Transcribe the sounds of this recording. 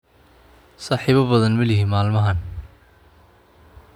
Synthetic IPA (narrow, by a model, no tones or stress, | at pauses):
saːħiːβɐbɐðɐnmɐlɪɦiːnmaːlmɐɦɐn